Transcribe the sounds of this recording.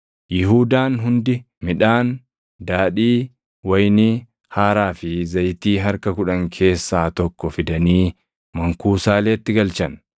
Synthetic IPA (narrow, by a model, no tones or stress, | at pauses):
jɪɦuːd̪aːnɦʊnd̪ɪ | mɪᶑaːn | d̪aːᶑiː | wɐjnɪ | haːɾaːfɪzɐjt̪iːɦɐɾkɐkʊᶑɐŋkʰe̞ːsːaːt̪ɔkːɔfɪd̪ɐniː | mɐŋkuːsaːle̞ːt̪ːɪɡɐlt͡ʃɐn